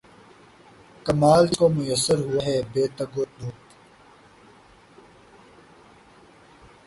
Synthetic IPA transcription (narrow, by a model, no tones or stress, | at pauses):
kɐmaːlkomʊjəsːəɾɦuwɐɦeːbeːt̪ɐɡod̪oːt̪